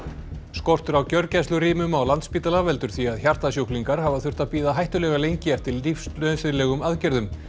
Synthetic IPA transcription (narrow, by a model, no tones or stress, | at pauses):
skɔr̥t̪ʏɾawcœɾcɛst̪ʏɾiːmʏmawlant̪spiːt̪alavɛlt̪ʏɾ̥θiaðçar̥t̪asjowkliŋkaɾ̥ɦavaθʏr̥t̪apiːðaɦajht̪ʏlɛɣalejɲcɪɛft̪ɪɾlifslœsɪðlɛːɣʏmaðcɛɾðʏm